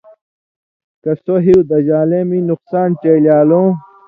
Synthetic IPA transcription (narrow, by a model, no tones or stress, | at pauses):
kɐst̪oɦiwd̪ɐʑaːleminuqsaːnt͡ɕeljaːlõː